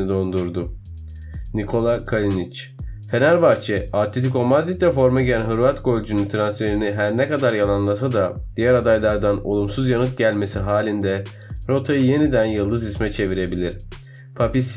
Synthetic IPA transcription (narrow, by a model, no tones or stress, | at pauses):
id̪o̞nd̪uɾd̪ʊ | nikʰo̞lˠakʰalʲinit͡ʃ | fe̞næɾbaɾt͡ʃʰɛat̪ʰit̪ikomad̪it̪lʲɛfo̞ɾmaɟiænɦɯɾvat̪ɡo̞lʲd͡ʒynynt̪ʰɾansfeɾiniɦæɾnɛkad̪aɾjalˠanlˠas̬ad̪ad̪̥ijæɾad̪ajlˠaɾd̪ano̞̰lˠumsuzjanɯt̪̚ɟælʲme̞siɦaːlʲind̪ɛ | ɾo̞t̪ʰajɯje̞nid̪ænjɯlˠd̪ɯzismɛt͡ʃʰe̞viɾe̞bilʲiɾ̥ | pʰapist̪